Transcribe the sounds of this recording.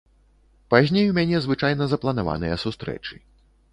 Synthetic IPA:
pazʲnʲejumʲanʲɛzvɨt͡ʂajn̪ɐzɐplˠɐnava̰nɨjɐsust̪ɾɛ̰t͡ʂɨ

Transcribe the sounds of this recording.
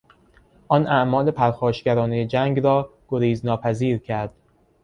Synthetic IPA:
ʔɒːnʔæʔmɒːle̞pʰæɾxɒːʃɟæɾɒːnejed͡ʒæŋɡɾɒːɡ̥oɾiːznɒːpʰæziːɾcʰæɾd̪̥

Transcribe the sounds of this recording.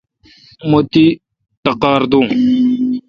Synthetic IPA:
mot̪i | ʈ̪ɐqɑːɾd̪ũː

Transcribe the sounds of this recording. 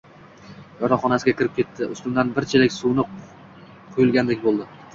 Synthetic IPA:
jɒɾɒχɒnasɪɡʲakʲʰɪɾɪp̚kʲʰe̞t̪ʰːɪʔʊ̰st̪ʊmd̪anbɪɾt͡ʃʰɪlɪkʲsuwnɪ | qʰʊjʊlˠɡʲand̪ekʲbolˠd̪ɪ

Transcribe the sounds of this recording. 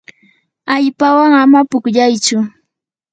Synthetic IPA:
aʎpawaŋamapʊkʎajt͡ʃʊ

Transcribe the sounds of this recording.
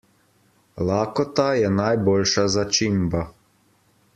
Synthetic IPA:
laːkɔt̪ajɛnajboːlʃazat͡ʃimba

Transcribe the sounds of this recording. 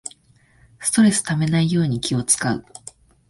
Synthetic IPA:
sɨ̥t̪o̞ɾe̞sɨ̥t̪ame̞naijo̞ːɲ̟ikʲio̞t͡sɨ̥kaɯ̟

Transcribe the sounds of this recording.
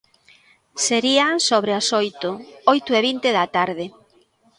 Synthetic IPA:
seɾiaŋsoβɾeasojt̪ʊojt̪ʊeβint̪eðat̪aɾðɪ

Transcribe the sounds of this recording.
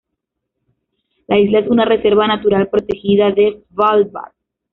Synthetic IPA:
laizlae̞sunare̞se̞ɾβanat̪uɾalpɾo̞t̪e̞xiðaðe̞valba̰ɾ

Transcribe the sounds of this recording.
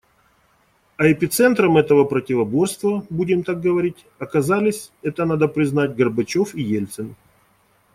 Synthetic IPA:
ɐɪpʲɪt̪sɛnt̪ɾəmɛt̪əvəpɾətʲɪvɐbo̞rst̪vəbudʲɪmt̪ak̚ɡəvɐɾʲitʲ | ɐkɐzalʲɪsʲɛt̪ənad̪əpɾʲɪznatʲɡərbɐt͡ɕofijelʲt̪sɨn

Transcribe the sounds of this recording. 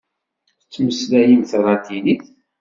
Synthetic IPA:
ət͡sːməslæjənθrˤɑt̪iniθ

